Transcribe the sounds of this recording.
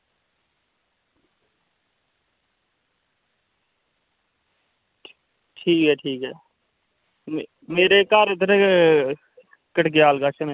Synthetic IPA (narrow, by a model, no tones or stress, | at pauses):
ʈʰiːkɦɛːʈʰiːkɦɛ̰ː | meːɾekaːɾɪd̪əɾe | kəʈɡejaːlɡaːt͡ʃʰəne